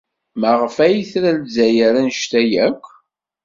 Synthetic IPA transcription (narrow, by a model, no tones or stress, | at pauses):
məʁəfæjiθɾælzæjəɾænʃt̪æjækʷː